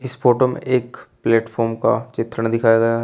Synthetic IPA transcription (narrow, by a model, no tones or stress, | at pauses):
ɪsfoːʈomḛ̃ʔeːkpleːʈfʰɔːɾmka̰t͡ʃɪt̪ɾəɽ̃d̪ɪkʰaːjaɡɐja